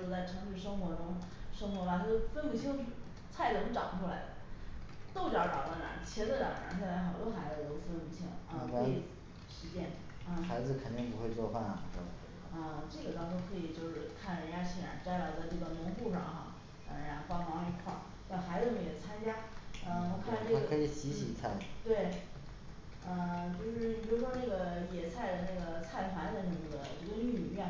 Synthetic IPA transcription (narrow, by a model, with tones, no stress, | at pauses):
t͡sa˥˩ɪʈ͡ʂʰɤ˧˥ŋʂɻ̩˥˩ʂɤ˥ŋxwɔ˧˥ʈ͡ʂʊ˥ŋ | ʂɤ˥ŋxwɔ˧˥ma˧t̪ʰa˥˩o˥˧fə˥nmu˧˩t͡ɕʰi˥ŋʂ̩˧˥ | t͡sʰa˥˩ɪʈ͡ʂʊ˧˥ŋʈ͡ʂɑ̰˨˩ŋʈ͡ʂʰu˥la˧˥ɪ˨t̪o˥˧ʊt͡ɕjɑ˥˩ʈ͡ʂɑ̰˨˩ʊlə˧˩na̰˨˧˥t͡ɕʰjɛ˧˥nə˥˧t̪a̰˨˩ŋ˩ɻə̰˧˥t͡sʰa˥˩la˧˥xɑ˨˩ʊt͡ɕo˥xa˧˥ɪd͡z̪o˧˥ʊfə˥nmu˧˩t͡ɕʰi˥ŋə˥˧˥i˥˩ | ʂɻ̩˧˥t͡ɕjɛ˥˩n̩˥˧˩ | xa˧˥ɪd͡zɹ̩˧kʰə˨˩nt̪i˥˩ŋpu˧˥xwe˥˧ɪt͡swɔ˥˧fa˥˩n˨˩˨ | ə˥˧˩ʈ͡ʂɤ˥˩ɡə˩t̪ɑ˥ŋʈ͡ʂu˥ŋkʰɤ˧˥i˨˩t͡ɕjo˥˧ʊʂɻ̩˥˧kʰa˥˩nɻə˧˥ja˥˩ɕʰɛ˨˩na̰˧˥˩ʈ͡ʂa˥ɪla˧˥˧ʊt͡sa˥˧ɪʈ͡ʂɤ˥˩ɡə˩nʊ˧˥ŋpu˥˧ʂɑ̰˥˩ŋxa̰˧˩ | a̰˧˩˧fɑ˥mɑ˧˥ŋi˧˩xʰwɑ̰˥˩ | t̪a˥˩xa˧˥ɪd͡z̩˧nə˧˩jɛ˨˩t͡sʰa˥nt͡ɕja˥nə˥˧ɔ˧˩kʰa˥˩˥ʈ͡ʂkʰɤ˧˥i˨˩ɕi˧˥ɕi˨˩t͡sʰa˥˩ɪt̪we˥˩ɪ | ə˧t͡ɕjo˥˧ʊʂɻ̩˥˩pi˨˩ɻu˧˥ʂwɔ˥na˥˩ɡə˩jɛ˨˩t͡sʰa˥˩ɪd̪ə˩na˥˩ɡə˩t͡sʰa˥˩ɪp̪ʰwa˧˥d̪ə˧nə˧˥mə˧˩d̪ə̰˩ʈ͡ʂɡə˧˥ny˨˩mɥɛ˥˩n